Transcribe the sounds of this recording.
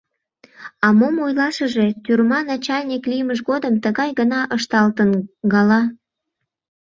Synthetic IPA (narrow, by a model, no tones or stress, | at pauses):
ɑmomojlɑʃəʒet̪yrmɑnɑt͡ɕɑlʲnʲikliməʃɣod̪əmt̪əɣɑjɣənɑʔəʃt̪ɑlt̪ənɡɑlɑ